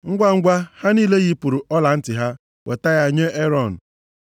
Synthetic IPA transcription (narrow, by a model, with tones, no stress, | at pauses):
ŋ̩˦ɡʷa˦ŋ̩˦ɡʷa˦ha˦niː˦le˦ɣi˦pu˨ɾu˨ʔɔ˦la˨n̩˦tɪ˨ɦa˦ | wḛ˨ta˦ɣa˦˨ɲe˦ʔe˦ɾɔ˦˨n̩˨